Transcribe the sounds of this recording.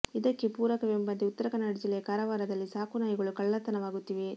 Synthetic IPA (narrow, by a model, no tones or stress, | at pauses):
id̪ɐkːepuːɾɐkɐʋembɐnd̪iut̪ːɐɾɐkɐnːaːɽɐd͡ʒilːɛjɐkaːɾɐʋaːɾɐd̪ɐlːisaːkunaːjɐɡɐɭukɐɭːɐt̪ːɐnɐʋaːɡut̪ːiʋe